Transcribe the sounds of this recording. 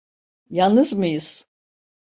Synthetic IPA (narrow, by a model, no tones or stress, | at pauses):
jalˠnɯzmɯjɯz̥